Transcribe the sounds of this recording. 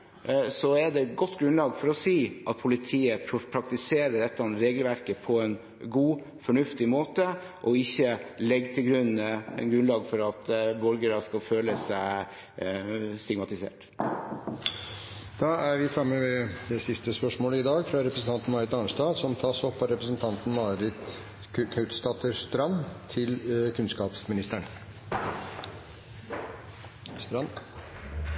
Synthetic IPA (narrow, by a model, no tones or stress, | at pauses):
sɔædɛt̪ɡɔt̪ːɡɾʉnlɑːɡfɔɾɔsiːʔɑt̪̚pʰʊlɪt̪ʰiːəpʰpʰɾɑkt̪ɪseːɾəɖ̪ɛt̪ːəɑnɾeːɡəlʋæɾkəpʰɔɛn | ɡuː | fɔɳʉft̪ɪmoːt̪ə | ʔɔɪçːəlɛɡːt̪ʰɪlɡɾʉnɛ̰nɡɾʉnlɑːɡfɔɾɑt̪bɔɾɡəɾɑskɑføːləsæɪ | st̪ɪɡmɑt̪ɪsḛːʈ | d̪̥ɑːæɾʋɪfɾɑmːəʋɛd̪ɛsɪst̪əspœʂmoːləɪd̪ɑːɡfɾɑɾɛpɾəsn̩t̪ɑnt̪n̩mɑːɾɪt̪ɑnʂt̪ɑːd̪sɔmt̪ʰɑːsɔpːɑɾɛpɾəsənt̪ʰɑnt̪n̩mɑɾɪt̪ | kʰœʉt̪st̪ɑt̪ʰəʂt̪ɾɑnt̪ʰɪlkʰʉnskɑːpsmɪnɪst̪əɳ | st̪ɾɑn